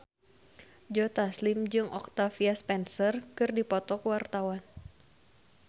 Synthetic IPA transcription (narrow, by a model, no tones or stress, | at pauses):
d͡ʒɔt̪aslɪmd͡ʒɨŋʔɔ̰k̚t̪afiaspɛnsərkɨrdipɔt̪ɔkwart̪awan